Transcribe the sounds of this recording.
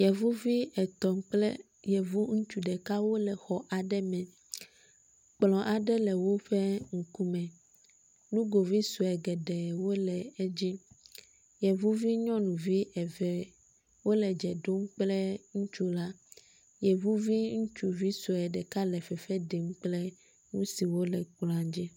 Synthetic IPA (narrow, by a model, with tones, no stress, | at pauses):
jɛ˨vu˦vi˦ɛ˨t̪ɔ˨ŋ˦k͡plɛ̰˦ | jɛ˨vu˦ŋũ˦t͡ʃu˨ɖɛ˨ka˦wo˦lɛ˨xɔ˨ʔa˨ɖɛ˦mɛ̃˨ | k͡plɔ̃˨ʔa˨ɖɛ˦lɛ˨wo˦ɸɛ˦ŋ̩˨ku˦mɛ̃˨ | nũ˦ɡo˨vi˦su˨ɛ˨ɡɛ˨ɖɛ˨wo˦lɛ˨ɛ˦d͡ʑi˦ | jɛ˨vu˦vi˦ɲɔ̃˦nũ˨vi˦ɛ˨vɛ˨ | wo˦lɛ˨d͡ʒɛ˨ɖo˦m˦k͡plɛ˦ŋũ˦t͡ʃu˦la˦ | jɛ˨vu˦vi˦ŋũ˦t͡ʃu˦vi˦su˨ɛ˨ɖɛ˨ka˦lɛ˨fɛ˨fɛ˦ɖe˨m˦k͡plɛ˦ | ŋũ˦si˨wo˦lɛ˨k͡plɔ̃˨a˨d͡ʑi˦